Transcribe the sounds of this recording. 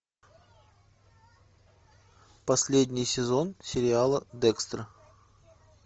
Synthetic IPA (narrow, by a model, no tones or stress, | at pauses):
pɐsʲlʲedʲnʲɪjsʲɪzo̞nsʲɪɾʲɪalˠəd̪ɛkst̪ɾə